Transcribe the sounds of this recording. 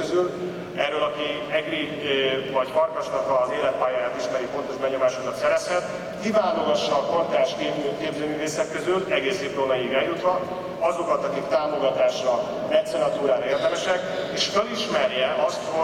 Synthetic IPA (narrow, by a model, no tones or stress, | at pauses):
øzyl | ɛrːøːlɒki | ɛɡri | vɒcfɒrkɒʃnɒkɒzeːlɛt̪̚paːjaːjaːt̪iʃmɛɾifo̞nt̪o̞ʒbɛɲo̞maːʃo̞kɒt̪sɛɾɛshɛt̪ | kivaːnoɡɒʃːɒːkort̪aːʃkeːykeːbzøːmyːveːsɛkːøzylɛɡeːseːproːnɒjiːɡɛljut̪ʋɒ | ɒzo̞kɒt̪ɒkikt̪aːmo̞ɡɒt̪aːʃrɒ | mɛt̪sɛnɒt̪uːɾaːɾeːrd̪ɛmɛʃɛk | eːʃføliʃmɛrjɛʔɒst̪ho